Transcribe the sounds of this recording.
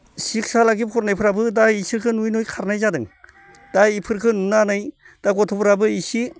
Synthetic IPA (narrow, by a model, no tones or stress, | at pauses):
sik̚salaɡipʰɔɾnajpʰɯɾabɯdaisiɾkʰɯnujnujkʰaɾnajzadɯŋ | d̥aipʰɯɾkʰɯnunanaj | d̥aɡɔtʰɔpʰɾabɯisi